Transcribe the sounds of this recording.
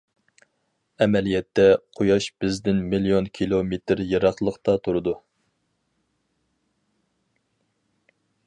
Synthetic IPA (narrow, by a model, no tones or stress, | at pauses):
ɛmɛlijɛt̪ʰːɛqʰojɑʃb̥ɪzd̪ɪnmilijonkʲʰilˠomet̪ɾjeɾɑχlˠəqt̪ɑt̪ʰuɾɨd̪u